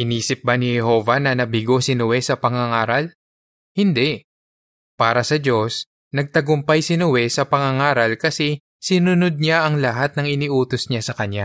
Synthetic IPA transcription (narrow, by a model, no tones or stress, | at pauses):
ʔɪniːsɪp̚banɪhɛɦo̞ːvɐnɐnɐbɪɡo̞sɪnʊwɛsɐpɐŋɐŋaːɾɐl | hɪnd̪ɛʔ | paːɾɐsɐd͡ʒo̞s | nɐɡ̚t̪ɐɡʊmpajsɪnowɛsɐpɐŋɐŋaːɾɐlkɐsɛ | sɪnʊnod̪̚ɲaʔɐŋlɐɦat̪̚nɐŋɪnɪʔuːt̪osɲasɐkɐɲa